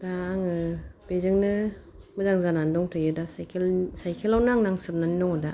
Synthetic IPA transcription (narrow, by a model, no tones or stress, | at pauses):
daːŋɯb̥ezɯŋnɯ | mɯzaŋzanandɔŋtʰɯjɯdasajkʰelsajkʰelawnɯaŋnaŋsɯp̚naninɔŋɯda